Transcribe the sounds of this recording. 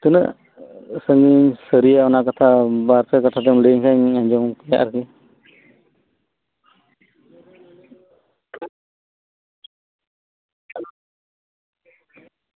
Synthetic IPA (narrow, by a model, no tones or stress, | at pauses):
t̪unə̰ʔ | səŋɡiɲsəɾijaɔnaʔkat̪ʰabaɾtakat̪ʰat̪ɛŋləɲkʰaɲaɲd͡ʒɔŋkɛja̰ʔaɾki